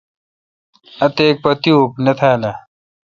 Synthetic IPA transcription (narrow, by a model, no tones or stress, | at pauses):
ɐt̪eːk̚pɐt̪iupnɐt̪ʰaːlɐ